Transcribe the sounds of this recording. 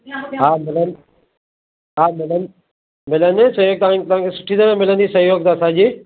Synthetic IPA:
ɦaːmɪlən | ɦaːmɪlən | mɪlənsɐɦjoːɡ̚t̪ɐʋãt̪ɐʋ̤ãːkʰesʊ̥ʈʰid̪ɐɾẽmɪlə̃nd̪isɐɦjoːɡ̚t̪aːsad͡ʑiː

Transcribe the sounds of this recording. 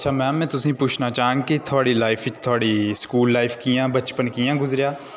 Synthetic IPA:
ətːʃʰaːmɛ̃ːmɛ̃ːt̪ʊsĩːpʊːt͡ʃʰnaːt͡ʃaːɦə̃ːŋɡket̪ʰʊaːɽiːlaːɪpʰɪt̪ʰaːɽiːskuːlːaːɪpʰkijãːbət͡ʃpənkɪjãːɡʊzɾɪjaː

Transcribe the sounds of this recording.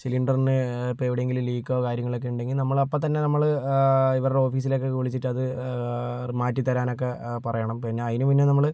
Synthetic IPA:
siliɳɖɐrnɨpːoeʋiɽeeŋɡilumliːkːoːkaːɾjɐŋːɐɭokːe̞uɳɖe̞ŋɡilnɐmːɐɭɐpːot̪ːɐnːe̞nɐmːɐɭ | iʋɐrɽeo̞ːfiːs̬ilo̞k̬ːe̞kuːɭit͡ɕːiʈːɨɐðɨ | maːtːit̪ːɐɾaːno̞k̬ːe̞pɐrɐjɐɳɐmkɐriɲːaɐðinupinːenɐmːɐɭ

